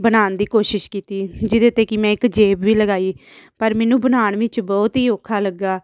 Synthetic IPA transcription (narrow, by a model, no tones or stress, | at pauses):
bənaːnd̪iːkoːʃɪʃkiːt̪iːd͡ʒɪd̪eːt̪eːkɪmɛ̃ːɪkd͡ʒeːbʋiːləɡaːiːpəɾmɛːnũːbənaːɳʋĩːt͡ʃbɔːt̪iːoːkʰaːləɡːaː